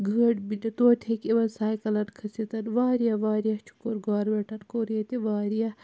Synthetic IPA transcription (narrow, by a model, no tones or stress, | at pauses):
ɡʱəːɽbinɐt̪oːt̪ʰekiʋɐnsaːjkɐlɐʈkʰɐsit̪ɐnʋaːɾijɐʋaːɾijɐt͡ʃʰu̥koɾɡaːɾʋeʈɐnkoːɾijɐt̪iʋaːɾijɐ